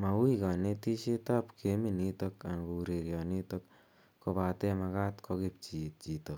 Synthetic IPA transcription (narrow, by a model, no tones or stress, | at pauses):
maikanetisetapkʰeminitokankuɾeɾjanitok | kopatemakatkʰokip̚t͡ʃit̚t͡ʃitok